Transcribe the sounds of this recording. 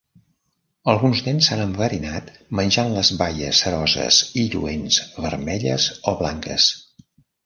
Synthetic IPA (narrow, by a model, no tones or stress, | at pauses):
əlˠɣunznensanəɱfəɾinat̪ | mənʲʒanləzβajə̰səɾɔzə̰ziʎṵenzβəɾmɛʎə̰zoβlaŋkə̰s